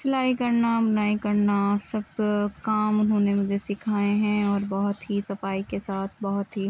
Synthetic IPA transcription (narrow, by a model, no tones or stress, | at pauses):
sɐlaːikɐɾnabɐnaːikɐɾnasɐb̚kaːmʊnɦõːnemʊd͡ʒʱesɪkʰaːẽɦɛ̃ɔːɾbɔɦʊt̪ɦisɐfaːikesaːt̪ʰbɔɦʊt̪ɦi